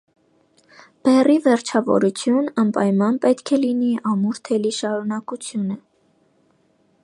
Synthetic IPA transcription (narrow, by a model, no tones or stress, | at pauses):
b̥ɛrivɛɾt͡ʃʰɑvɔ̰ɾut͡sʰjunɑmpɑjmɑnpɛt̪kʰɛliniʔɑmuɾt̪ʰɛliʃɑɾunɑkut͡sʰjunə